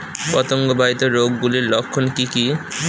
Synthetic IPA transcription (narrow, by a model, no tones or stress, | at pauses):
pɔt̪oŋɡobʱait̪oɾoɡːuliɾlokʰːonkiki